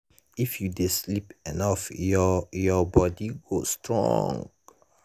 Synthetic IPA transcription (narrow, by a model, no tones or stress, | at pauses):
ifjudeslipɛnɔf | jɔbɔdiɡostɹɔ̰̃ŋɡ